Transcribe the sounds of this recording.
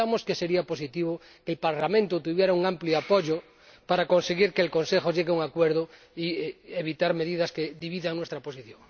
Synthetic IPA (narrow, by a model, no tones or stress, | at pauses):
amoskese̞ɾiapos̬it̪iβ̞o | kelpaɾlamẽnt̪ot̪uβjeɾauŋampljoapoʎo | paɾako̞nseɣiɾkeːlko̞nsexoʝeɣeuŋakweɾðo | ieβit̪aɾme̞ðiðaskeðiβiðaŋnwest̪ɾapo̞siθjoŋ